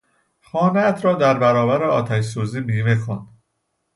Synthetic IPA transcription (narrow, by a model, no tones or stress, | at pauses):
xɒːneæt̪ʰɾɒːd̪æɾbæɾɒːbæɾeɒːt̪ʰæʃsuːziːbiːmexɔnd̪̥